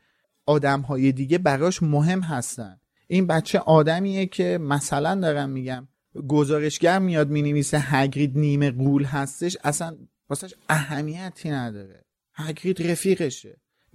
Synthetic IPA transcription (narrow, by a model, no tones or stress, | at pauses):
ɒːd̪æmɦɒːjed̪iːɟebæɾɒːʃmoɦe̞mɦæst̪æ̰nd̪ | ʔinbæt̪t͡ʃʰe̞ʔɒːd̪æmiːjecʰe̞mæsælænd̪ɒːɾæmːiɟæm | ɡo̞zɒːɾe̞ʃɟæɾmijɒd̪̚miːneviːseɦæɟɾiːd̪niːme̞ɣuːlɦæst̪e̞ʃæsæn | bɒsæʃæɦæmijæt̪ʰiːnæd̪ɒːɾe̞̰ | hæɟɾiːd̪ɾefiːɣe̞ʃḛ